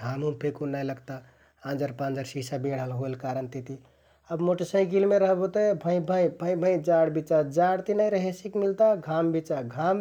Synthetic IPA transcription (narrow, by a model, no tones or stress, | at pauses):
amũpʰekunəjləɡt̪a | ãnd͡ʒəɾpãnd͡ʒəɾsisabeɽ̤ɦəlɦoelkaɾənt̪it̪i | əbmoʈəsə̃ɪ̃kilmeɾəɦbot̪əbʱə̃ĩbʱə̃j̃bʱə̃ĩbʱə̃jd͡ʒaɽbit͡ʃad͡ʒaɽt̪inəjɾəɦesikmilt̪aɡʱambit͡ʃaɡʱam